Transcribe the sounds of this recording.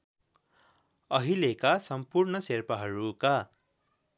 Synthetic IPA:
ʌɦilekasʌmpurnʌserpaɦʌɾuka

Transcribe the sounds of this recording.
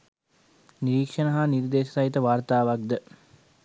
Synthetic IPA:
niɾiːkʂɐnɐɦaːniɾd̪eːʃə̥sɐit̪əʋaːrt̪aːʋak̚d̪ə

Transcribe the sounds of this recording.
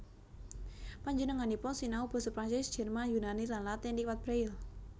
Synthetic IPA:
paɲd͡ʒənəŋanipɔsinaub̥ɔ̤səpɾaɲt͡ʃɛsd̥ʒ̥ɛ̤rmanjunanilanlat̪ɛndiwat̪̚b̥ɾaɪl

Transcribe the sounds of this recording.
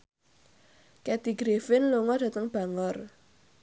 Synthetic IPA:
kɛd̪̥iɡɾefɪnloŋɔd̥ä̤t̪əŋb̥a̤ŋɔr

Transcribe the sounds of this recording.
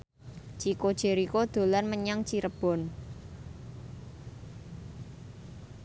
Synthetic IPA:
t͡ʃikod̥ʒ̥e̤ɾikod̪̥o̤lanməɲaŋt͡ʃiɾəb̥ɔ̤n

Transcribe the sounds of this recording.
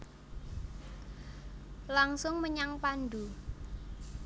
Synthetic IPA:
laŋsʊŋməɲaŋpanɖ̪u

